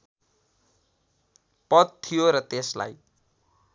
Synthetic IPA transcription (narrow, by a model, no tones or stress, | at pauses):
pʌd̪̚t̪ʰːijoɾʌt̪esla̰j